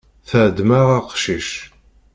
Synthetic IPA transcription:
θəʕd̪maʁaqʃiʃ

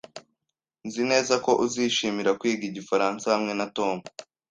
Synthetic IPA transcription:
nzine̞ːzako̞ʔuziːʃiːmiɾakwiːɡiɟifaɾaːnsahamŋe̞nato̞ːmu

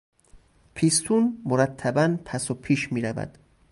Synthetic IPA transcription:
pʰist̪ʰunmoɾæt̪ʰːæbænpʰæsopʰiːʃmiːɾævæ̰d̪̥

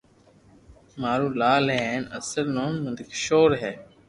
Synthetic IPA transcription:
maːɾũːlaːlɦɛːnə̰səlnoːnmənd̪ɪkʃoːɾɦɛː

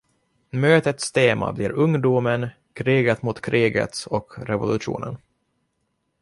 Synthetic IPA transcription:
møːt̪ət̪st̪ʰeːma̰bliːɾɵŋd̪uːmən | kʰɾiːɡat̪mut̪kʰɾʔiːɡə̰t̪sɔkɾɛvʊlɵʂṵːnən

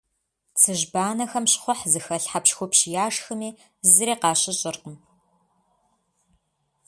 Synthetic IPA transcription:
t͡sʰɨʒbaːnɐxɐmɕχʷʊħzɨxɐɬħapʃxʷʊpɕjaːʂxɨmiː | zɨɾeːqɑːɕʼɪɕʼɪrqəm

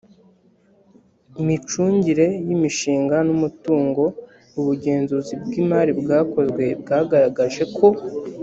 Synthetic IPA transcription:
imit͡ʃuːɲɟiɾe̞jimiʃiːŋɡanumutuːŋɡo̞ | uβuɟe̞ːnzuzib̚ɡiːmaɾibɡaːko̞zɡwe̞bɡaːɡaɾaɡaʒe̞kʰo̞

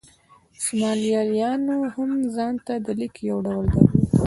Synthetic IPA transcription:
sʊmɑlijɑɾjɑnohamzɑnt̪ad̪əlikjawɖawəld̪a̰

